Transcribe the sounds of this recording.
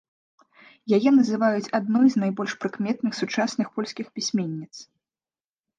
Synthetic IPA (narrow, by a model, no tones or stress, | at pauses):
jajɛnɐzɨvajut͡sʲad̪̚nɔjznajbɔlʲʂpɾɨkmʲɛt̪nɨxsut͡ʂasnɨxpɔlʲsʲkʲixpʲisʲmʲenʲːit̪s